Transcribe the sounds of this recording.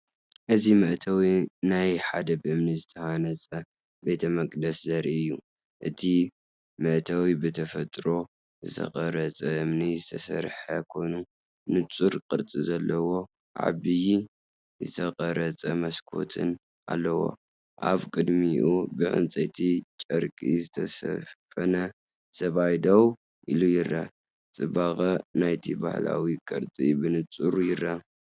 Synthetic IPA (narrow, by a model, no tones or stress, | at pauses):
ʔɨzimɐʔt̪ʰɐwinajħad̪ɐbɨɨmnizɨt̪ʰɐhanɐt͡sʼɐ | be̞t̪ʰɐmɐkʼd̪ɐszɐɾiɨjːu | ʔɨt̪ʰi | mɨʔt̪ʰɐwibɨt̪ʰɐfɐt̪ʼɾo̞ | zɨt̪ʰɐ̰qʼɐɾɐt͡sʼɐʔɨmnizɨt̪ʰɐsɐɾħɐkʰo̞jnu | nɨt͡sʼuɾkʼɨɾt͡sʼizɐlːɐwo̞ | ʕa̰βɨji | zɨt̪ʰɐqʼɐɾɐt͡sʼɐmɐskʰo̞̰t̪ʰɨn | ʔa̰lːɐwo̞̰ | ʔaβkʼɨd̪miʔubɨʕɨ̰nt͡sʼɐt̪ʰit͡ʃʼɐɾkʼizɨt̪ʰɐsɐ̰fɐnɐ | sɐβajd̪ow | ʔilujɪrːɐ | t͡sʼɨbaɣʼɐnajt̪ʰiba̰hla̰wikʼɨɾt͡sʼibɨnɨt͡sʼuɾujɪrːɐ